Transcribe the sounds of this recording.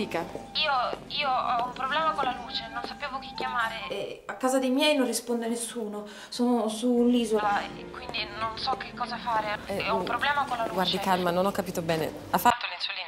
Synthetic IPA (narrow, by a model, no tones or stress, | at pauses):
iːkaiːoiːoɔumpɾoblɛːmakonlaluːt͡ʃenonsapeːvok̟ikːjamaːɾeɛakːaːzad̪ejmjɛjnonrispond̪anːesːuːno | soːnosuːnliːzoa | kwind̪inonsɔkːekːɔːzafaːɾeɔupɾoblɛːmakolːaluɡːwaɾdt͡ʃ̪ikalmanonɔkːapiːt̪obɛːnḛ | afːat̪ːonesuoli